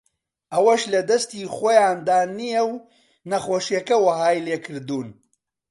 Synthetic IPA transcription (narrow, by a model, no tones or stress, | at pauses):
ʔɐwɐʃlɐd̪ɐst̪iːχoːjaːnd̪aːnijɛw | nɐχoːʃijɐkɐwɐɦaːjleːkʰɨɾd̪uːn